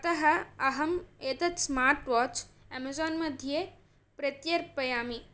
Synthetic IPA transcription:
ɐt̪ɐɦɐɐɦɐmeːt̪ɐt̪smaːɾʈʋɔːt͡ʃɛmɐzoːnmɐd̪ʱje | pɾɐt̪jɐɾpɐjaːmi

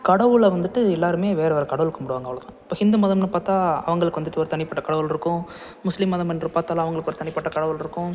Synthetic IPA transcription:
kɐɽɐʋɯɭʋɐnd̪ɯʈːɯɛlːaːɾɯmeːʋeːɾɐʋɐɾɐkɐɽɐʋɯlkːɯmʊɽɯʋaːŋɡɐʋɐɭɐt̪ãːɪpːoːhɪnd̪ɯmɐðɐmnɯpaːɾt̪ãːɐ̰ʋɐŋɡɐɭɯkːɯʋɐnd̪ɯʈːɯɔɾɯt̪ɐɳɪpːɐʈːɐkɐɽɐʋɯlɪɾɯkːʊ̃ | mʊslɪmɐðɐmɛnrɯpaːɾt̪aːlːãɐʋɐŋɡɐɭɯkːɔɾɯt̪ɐɳɪpːɐʈːɐkɐɽɐʋɯlɪɾɯkːʊ̃

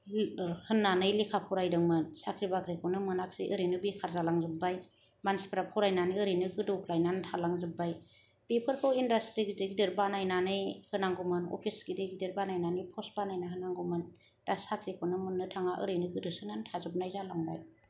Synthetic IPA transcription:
hɯnːanɯjlikʰapʰɔɾajdɯŋmɯnsakʰɾibakʰɾikʰɔnɯmɯnak̚siʔɯɾenɯbikʰaɾzalaŋzɯbaj | mansi̥pɾapʰɔɾajnaniɯɾɯnɯɡɯdoklajnantʰalaŋzɯbaj | b̥epʰɯɾkʰɯwindastɾiɡideɡidɯɾbanajnanɯjhɯnaŋɡumɯnɔ̰pʰisɡideɡidɯɾbanajnanɯjpʰɔsbanajnaɦɯnaŋɡumɯn | d̥asakʰɾikʰɔnɯmɯnːɯtʰaŋaʔɯ̰ɾɯjnɯɡɯdɯsɯŋantʰazɯb̚najzalaŋba̰j

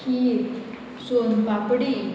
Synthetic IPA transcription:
ki | sonbapɽi

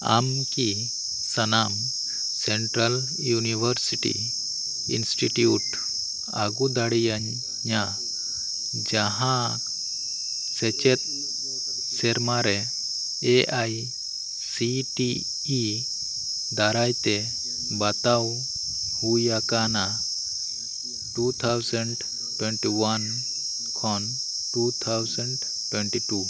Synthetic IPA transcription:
a̰m | ki | sənam | sɛɳʈɾəl | juniwəɾsiʈḭ | ḭnsʈiʈjuʈ | aɡud̪aɽijaɲː | a | d͡ʒaɦã | sɛt͡ʃɛt̪̚ | sɛɾmaɾɛ | ɛʔaj | siʈiː | d̪aɾajt̪ɛ | bat̪aw | hujakana | ʈut̪ʰawsəɳɖ | ʈwɛɳʈiwan | kʰɔn | ʈut̪ʰawsəɳɖ | ʈwɛɳʈiʈu

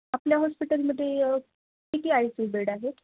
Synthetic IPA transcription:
apljaɦɔspiʈəlməd̪ʱːje | kit̪iːajsibeɽaɦet̪

